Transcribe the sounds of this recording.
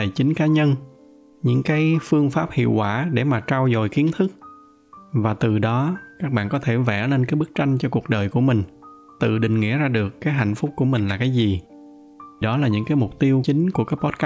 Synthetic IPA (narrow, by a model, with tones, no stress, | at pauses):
ə˨t͡ɕï˨˦ŋ̟kaː˨˦ɲə˧n | ɲɨ̰˧˥ŋkaː˨˦jfɨ˧əŋfaː˦˥p̚hḭ˧˨əwkwaː˧˩ɗe˧˩maː˨˩t͡ɕaː˧wzo˨˩jki˨˦ənt̪ʰɨ˦˥k̚ | vaː˨˩t̪ɨ˨˩ɗɔ˨˦kaː˦˥k̚ɓa̰ː˧˨nkɔ˨˦t̪ʰe˧˩vɛ̰˧˩le˧nkaː˨˦jɓk̚t͡ɕa˧jŋ̟t͡ɕɔ˧ku˨˩ək̚ɗəː˨˩jku˧˩əmï˨˩ŋ̟ | t̪ɨ̰˧˨˩ɗï˨˩ŋ̟ŋḭ˧˥əzaː˧ɗɨ˨˩əkːaː˨˦jɦa̰˧˨jŋ̟fʊ˦˥k͡p̚ku˧˩əmï˨˩ŋ̟laː˨˩kaː˨˦jzi˨˩ | ɗɔ˨˦laː˨˩ɲɨ̰˧˥ŋkaː˨˦jmʊ˨˩k͡p̚t̪i˧əwt͡ɕï˨˦ŋ̟ku˧˩əkaː˦˥k̚pɔ˦˥t̚ka˦